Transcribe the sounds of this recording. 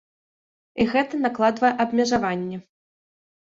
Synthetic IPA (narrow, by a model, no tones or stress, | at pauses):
iɣɛt̪ɐnaklˠad̪vɐjɛʔɐbmʲɛʐavanʲːɛ